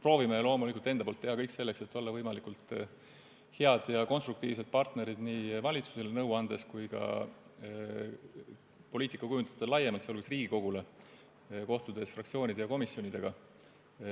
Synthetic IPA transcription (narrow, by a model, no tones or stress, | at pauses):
pro̞ːvimelo̞ːmulikˑult̪ːend̪ɑpolt̪ːe̞hɑkɤjkse̞lːekse̞t̪ːˑo̞lːɑvɤjmɑlikult̪ˑ | he̞ɑd̪̥jɑko̞nst̪ruk̚t̪iːvset̪̚pɑrt̪ne̞ɾid̪̥niːvɑlʲit̪su̥selenɤwɑnd̪̥e̞skujkɑ̰ | po̞liːt̪ˑikːɑkujunt̪ɑ̥t̪ːˑelɑjemɑlt̪seo̞lɡesriːɡiko̞ɡ̥ule̞ | ko̞ht̪ud̪̥e̞sfrɑk̚tsio̞ːnʲid̪ejɑko̞misjo̞nʲid̪̥e̞ɡ̥ɑ